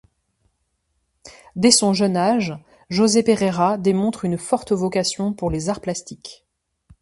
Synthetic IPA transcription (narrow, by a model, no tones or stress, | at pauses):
d̪esɔ̃ʒœnaʒ | ʒozepeʁeʁad̪emɔ̃t̪χynfɔʁt̪əvɔkasjɔ̃puʁlezaʁplast̪ik